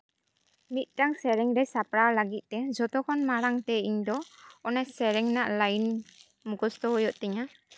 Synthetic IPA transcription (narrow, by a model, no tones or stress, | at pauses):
mit̪̚ˀʈaŋsɛɾɛŋɾɛsapɾalaɡit̪̚ˀt̪ɛd͡ʒɔt̪ɔkʰɔnmaɾaŋt̪ɛiɲd̪ɔɔnɛsɛɾɛŋnaʔlajn | mukɔst̪ɔɦɔjɔʔt̪ɛɲa